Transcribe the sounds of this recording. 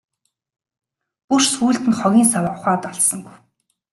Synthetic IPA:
pursuːɮt̪ɘ̆nχɔɣʲiːnsawaʊχaːt̪ɔɮsɞ̆ŋɡuw

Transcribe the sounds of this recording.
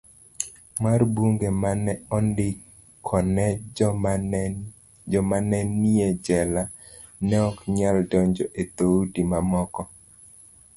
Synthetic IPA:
marbuŋɡemanɛɔndɪ | kʰɔnɛ | d͡ʒɔmanɛnːied͡ʒɛla | nɛɔkɲaldɔɲd͡ʒɔʔet̪oudimamɔkɔ

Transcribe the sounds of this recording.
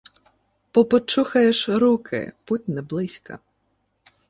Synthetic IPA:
pɔpɔt͡ʃuxɐjeʃɾukʰɪ̰put̚ʲnɛblˠɪsʲkɐ̰

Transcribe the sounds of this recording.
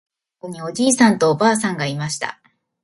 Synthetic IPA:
ko̞ɲ̟io̞d͡ʑiːsãnt̪o̞ːbaːs̬ãŋɡaimaɕi̥t̪a̰

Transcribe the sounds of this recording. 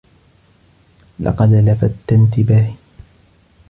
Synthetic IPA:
lɑ̰qɑd̪lafat̪ːant̪ɪbah

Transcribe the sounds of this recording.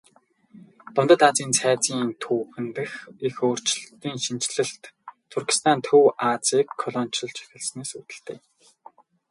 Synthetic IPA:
t̪ʊnt̪ə̆t̪aːt͡siːnt͡sʰæːt͡siːnt̪ʰuːxɘ̆nt̪ɘ̆xixoːr̥t͡ɕɮt̪iːŋʃint͡ɕɮɘ̆ɬt̪t̪ʰːurki̥st̪ʰant̪ʰɵwʔat͡siːkʰːɔɮɔnt͡ɕɞ̆ɮt͡ɕʰæ̥xʲɪ̆ɮsneːsut̪ɘ̆ɬt̪ḛː

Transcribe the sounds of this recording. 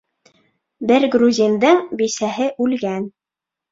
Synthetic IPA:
bɘɾɡruzʲind̪ɤɴbisæɦɘʔʉlɡæn

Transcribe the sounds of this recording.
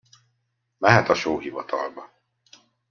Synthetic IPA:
mɛɦɛt̪ɒʃoːɦivɒt̪ʰɒ̰lbɒ

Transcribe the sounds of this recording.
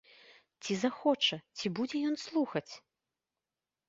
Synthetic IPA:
t͡sʲizaxɔt͡ʂɐt͡sʲibud͡zʲɛjɔnslˠuxɐt͡sʲ

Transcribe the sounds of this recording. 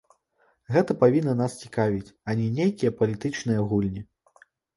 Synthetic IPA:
ɣɛt̪ɐpavʲinːɐnast͡sʲi̥kavʲit͡sʲanʲinʲejkʲijɐpɐlʲit̪ɨt͡ʂnɨjɐɣulʲnʲi

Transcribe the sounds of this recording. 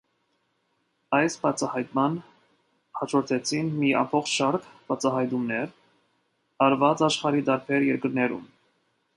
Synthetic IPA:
ɑjsbɑt͡sʰɑhɑjt̪mɑn | hɑt͡ʃʰɔɾt̪ʰɛt͡sʰinmiɑ̰mpʰɔχt͡ʃʰʃɑɾkʰb̥ɑt͡sʰɑɦɑjt̪umnɛɾ | ɑɾvɑt͡sɑʃχɑɾid̪ɑɾpʰɛɾjɛɾkəɾnɛɾṵm

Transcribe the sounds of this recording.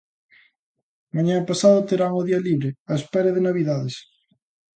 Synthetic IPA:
maɲãpasaðot̪eɾaŋʊðiɐliβɾɪaespɛɾɐðɪnaβiðaðes

